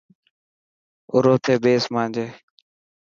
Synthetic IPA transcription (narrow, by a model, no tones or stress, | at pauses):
ʊ̰ɾoːt̪ʰeːbeːsmãːnd͡ʒeː